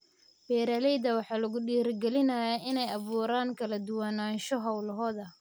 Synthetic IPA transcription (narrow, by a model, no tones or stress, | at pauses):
bɛːɾɐlɛjd̪ɐwɑħɑːlɐɣʊɗiːrɡɛlɪnɐjaʔɪnɛjɑβuːɾaːŋkʰɐlɐd̪ʊwanaːnʃɔɦɐwlɐɦɔːðɐ